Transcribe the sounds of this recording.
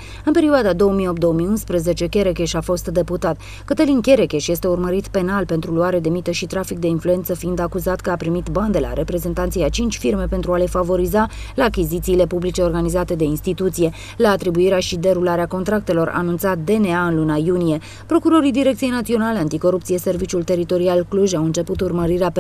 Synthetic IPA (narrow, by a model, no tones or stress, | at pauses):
ɨnpe̞ɾioad̪ad̪o̞wəmiopt̪d̪oomiunspɾəze̞t͡ʃe̞kʲe̞ɾekʲe̞ʃafo̞st̪d̪e̞put̪at̪ | kɨt̪əlinkʲe̞ɾekʲe̞ʃje̞st̪e̞urməɾit̪pe̞nalpe̞nt̪ɾuluaɾed̪e̞mit̪əʃit̪ɾafik̚d̪e̞influe̞nt̪səfiind̪akuzat̪kəapɾimit̪band̪e̞la̰ɾʔe̞pɾe̞ze̞nt̪ant̪sijat͡ʃint͡ʃʲfirme̞pe̞nt̪ɾuale̞favo̞ɾizalaːkʲizit̪siːle̞publit͡ʃe̞o̞rɡanizat̪e̞d̪e̞inst̪it̪ut̪sije̞ | laːt̪ɾibuiɾeaʃid̪e̞ɾulaɾeako̞nt̪ɾak̚t̪e̞lo̞ɾa̰ːnunt̪sat̪̚d̪e̞ne̞aɨnlunajunije̞ | pɾo̞kuɾo̞ɾid̪iɾe̞k̚t̪sijenat̪sio̞nale̞ant̪iko̞ɾupt̪sie̞se̞rvit͡ʃʲult̪e̞ɾit̪o̞ɾialkluʒawɨnt͡ʃe̞put̪urməɾiɾea